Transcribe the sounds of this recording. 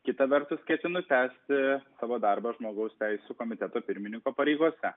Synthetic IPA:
kʲɪt̪ɐʋʲɛɾt̪ʊskʲɛt̪ʲɪnʊt̪ʲæːsʲt̪ʲɪsɑːʋoːd̪ɐɾbɑʒmoːɡɐʊsʲt̪ʲæɪsʲuːkoːmʲɪt̪ʲɛt̪oːpʲɪɾʲmʲɪnʲɪŋkoːpɐɾʲɛɪɡuɔsʲɛ

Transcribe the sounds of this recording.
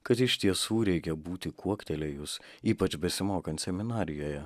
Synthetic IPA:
kɐt̪ɪʃʲt̪ʲiɛsuːɾʲɛɪkʲɛbuːt̪ʲɪkuɔkt̪ʲɛlʲɛjʊs | iːpɐt͡ʃbʲɛsʲɪmoːkɐnt̪ʲsʲɛmʲɪnɑːɾʲɪjoːjɛ

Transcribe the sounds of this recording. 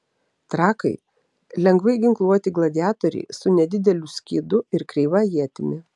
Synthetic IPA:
t̪ɾɑːkɐɪ | lʲɛŋɡʋɐɪɡʲɪŋklˠuɔt̪ʲɪɡlˠɐd̪ʲɪjæːt̪ɔɾʲɛ̰ɪsʊnʲɛd̪ʲɪd̪ʲɛlʲʊsʲkʲḭːd̪ʊɪɾkɾʲɛɪʋɑjiɛt̪ʲɪmʲɪ

